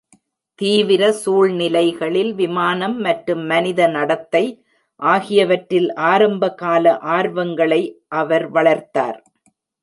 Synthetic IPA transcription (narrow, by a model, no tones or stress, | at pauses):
t̪iːʋɪɾɐsuːɭnɪlɐɪɣɐɭɪlʋɪmaːnɐmːɐʈɾɯmːɐnɪðɐnɐɽɐt̪ːɐɪ | ʔaːɣɪjɐʋɐʈɾɪlʔaːɾɐmbɐɣaːlɐʔaːɾʋɐŋɡɐɭɐɪʔɐʋɐɾʋɐɭɐɾt̪a̰ːɾ